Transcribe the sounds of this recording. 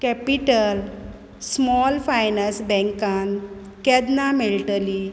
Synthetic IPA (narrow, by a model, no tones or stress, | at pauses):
kɛpiʈəl | smɔlfajnəsbɛ̃ŋkan | kɛd̪namelʈəli